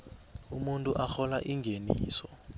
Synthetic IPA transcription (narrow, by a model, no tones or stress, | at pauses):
umuntʼuʔaxɔlaʔiŋɡʱenḭːsɔ